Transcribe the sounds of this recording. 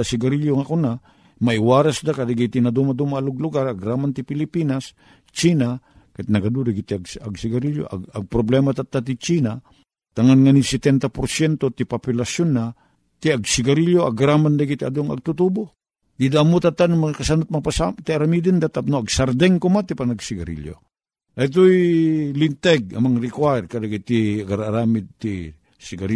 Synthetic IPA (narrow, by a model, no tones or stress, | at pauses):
asɪɡaɾiljoŋakona | maɪwaːɾasd̪akad̪aɡit̪inad̪umad̪umaːlʊɡlʊɡaɾaɡɾamant̪ɪpɪlɪpiːnas | t͡ʃina | kat̪nɐɡad̪udaɡit̪iaɡa̰ɡsɪɡaɾiljo̰ʔa̰ɡɐɡ̚pɾoblɛmat̪at̪ːat̪̬it͡ʃina | t̪aŋanŋanisɛt̪ɛnt̪apoɾsjɛnt̪ot̪ɪpopjʊlasjonːa | t̪iaɡsiɡaɾiljoa̰ɡɾamand̪aɡit̪ia̰d̪oŋa̰ɡ̚t̪ut̪ubo | d̪id̪aːmot̪at̪ːanmakasanʊt̪̚mapasat̪iaɾamid̪ɪnd̪at̪ap̚noaɡsaɾd̪ɛŋkomat̪ipanaɡsiɡaɾḭljo̰ | ʔait̪̬oilint̪ɛɡa̰maŋɾikwaɛrkadaɡit̪iaɡaɾaɾamɪd̪̚t̪i | siɡaɾ